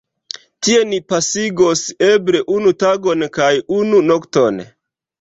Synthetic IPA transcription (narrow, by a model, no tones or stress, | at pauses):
tie̞nipasiɡosebɾe̞ʔunutaɡonkajununokton